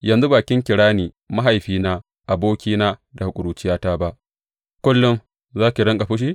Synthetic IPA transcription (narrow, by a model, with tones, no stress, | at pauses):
jɐ˨nzu˦baː˨kʲɪ˦ŋkʲɪ˨ɽaː˦niː˨ | ma˦ɦa˨jɸiː˦naː˦ | ʔa˨boː˦kʲiː˦naː˦da˨hʊ˨kʷʼʊ˨ɽuː˨t͡ʃɪ˦jaː˦taː˦ba˦ʔ | kʷʊ˦lːʊ˦ŋ | zaː˦kʲi˨ɽɐ˦ŋkʼa˨ɸʊ˦ʃ̬iː˦